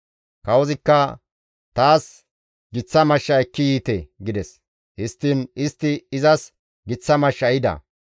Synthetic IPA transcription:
kɐwɔzɪkːɐ | t̪aːs | ɡɪt͡sːɐmɐʃːɐɛkːɪjiːt̪eɡɪd̪ɛs | hɪst̪ːinɪst̪ːɪɪzɐs | ɡɪt͡sːɐmɐʃːɐjɪd̪ɐ̰

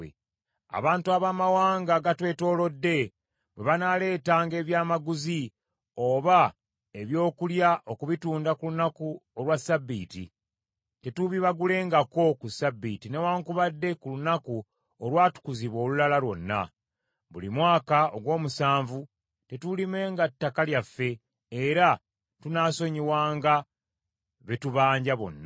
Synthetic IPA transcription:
e | a̰βaːntuaβaːmawaːŋɡaɡatwe̞ːto̞ːlo̞dːe̞ | bweβanale̞ːtaːŋɡe̞ːβjaːmaɡuzi | oβa | e̞βjo̞ːkuljaʔo̞kuβituːndakulunakuolwasabːḭːtḭ | te̞tuβiβaɡule̞ːŋɡako̞kusabːitine̞waːŋkuβadːe̞kulunaku | olwaːtu̥kuziβwo̞ːlulalalwo̞nːa̰ | βulimwaːkaoɡwo̞ːmusaːɱvu | te̞tulime̞ːŋɡatːakaljafːe̞ | eɾa | tunaːso̞ɲiwaːŋɡa | βe̞tuβaːɲɟaβo̞̰nːa

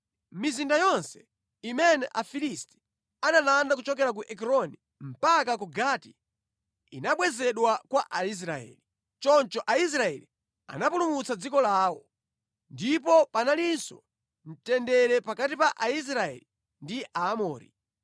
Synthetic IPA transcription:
mizindajɔnsɛ̥ | imɛnɛʔafilisti̥ | analandak̬ut͡ʃɔkɛɾak̬uʔɛkɾɔni | m̩pak̬ak̬uɡaːti̥ | ḭnaɓwɛzɛɗwakwaʔais̬ɾaɛ̰ːli | t͡ʃɔnt͡ʃɔʔais̬ɾaɛ̰li | a̰napulumut͡sad͡zikɔlaːwɔ | ndipɔpanalinsɔ | n̩tɛndɛɾɛpakatipaʔais̬ɾaɛ̰li | ndiʔaːmɔːɾḭ

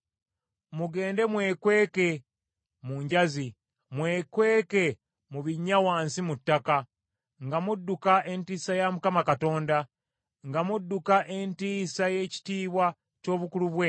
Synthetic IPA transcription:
muɡe̞ːnde̞mwe̞ːkwe̞ːke̞ | muːɲɟazi | mwe̞ːkwe̞ːke̞ | muβiɲːawaːnsimutːaka | ŋɡamudːukaʔe̞ntiːsajamukamakato̞ːnda | ŋɡamudːukaʔe̞ntiːsaje̞ci̥tiːβwa | co̞ːβukuluβwe

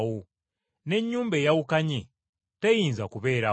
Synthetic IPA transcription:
wo | ne̞ɲːuːmbejawukaɲe | tejiːnzakuβe̞ːɾa

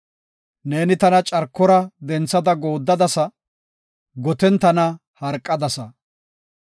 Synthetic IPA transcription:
ne̞ːnɪt̪ɐnɐt͡ʃʼɐɾkːɔɾɐd̪ɛnt͡sːɐd̪ɐɡoːd̪ːɐd̪ɐsɐ | ɡɔt̪ɛnt̪ɐnɐ | hɐɾkʼːɐd̪ɐsɐ

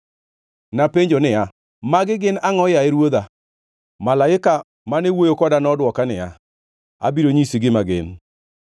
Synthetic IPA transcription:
napeɲd͡ʒonɪa | maɡɪɡɪnaŋɔjaɛɾwod̪a | malaɪka | manewojokɔdanɔdwɔkanɪja̰ | a̰biɾoɲisiɡɪmaɡɪ̰n

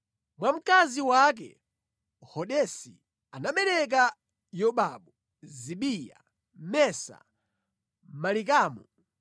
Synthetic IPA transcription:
mwam̩kaziwak̬ɛ̰ | hɔɗɛsi | anaɓɛɾɛk̬a | jɔɓaɓu | ziɓija̰ | mɛsa̰ | malik̬aːmɔ

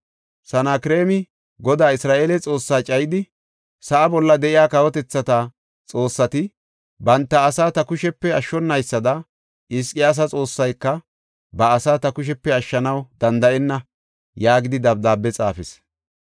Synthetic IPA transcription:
sɐnaːkɾe̞ːmɪ | ɡɔd̪aːɪsɾaːʔe̞ːlɛt͡sʼo̞ːsːaːt͡ʃʼɐjɪd̪ɪ | sɐʔɐbɔlːɐd̪ɛʔɪjaːkɐwɔt̪ɛt͡sːɐt̪a | t͡sʼo̞ːsːɐt̪ɪ | bɐnt̪ːɐːsaːt̪ɐkʊʃɛpːɛɐʃːɔnːɐjsːɐd̪ɐ | ɪskʼɪjaːs̬ɐt͡sʼo̞ːsːɐjkːɐ | bɐːsaːt̪ɐkʊʃ̬ɛpːɛɐʃːɐnɐwd̪̥ɐnd̪ɐʔɛnːɐ | jaːɡɪd̪ɪd̪ɐb̚d̪aːbːɛt͡sʼa̰ːfɛs

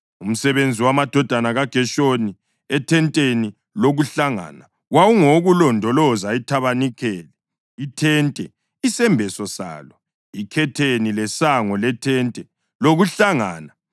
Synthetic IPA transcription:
um̩sɛβend͡zʱiwamad̥ʱɔd̥ʱanaɣaɡ̥ʱɛʃoni | ɛtʰɛntʼeni | loɣuɬaŋa̰ːna | wawuŋoɣulɔndʱɔlɔzaitʰaβanikʰɛːlɛ | itʰɛntʼɛ | isɛmbʱɛsɔsa̰ːlɔ | ikʰɛtʰenilɛsaŋɔlɛtʰɛntʼɛ | loɣuɬaŋa̰ːna

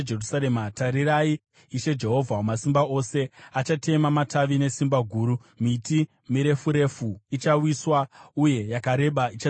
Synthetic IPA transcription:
erusaɾemataɾiɾai | iʃe̞d͡ʒe̞ɦo̞vʱawamasimbao̞se̞at͡ʃate̞mamataʋine̞simbaɡʱuːɾu | miti | miɾe̞fuɾe̞fuit͡ʃawiswauje̞jakaɾe̞ɓait͡ʃa

